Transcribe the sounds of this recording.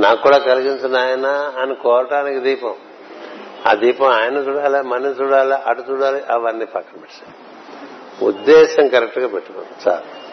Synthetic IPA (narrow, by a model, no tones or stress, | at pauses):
naːkːuːɽaːkɐliɡiɲt͡ʃunaːjɐnɐːnikɔːɾɐʈaːnikid̪iːpɐm | a̰ːd̪iːpɐmaːjɐnɐt͡ʃuːɽaːlemɐnɐnt͡ʃuːɽaːliʔɐʈut͡ʃuːɽaːliʔɐʋɐnːipɐkːɐmbeʈːi̥saː | ṵd̪ːɛːʃɐmkɐɾek̚ʈɡaːpeʈːuko̰ːnd̪it͡ʃa̰ː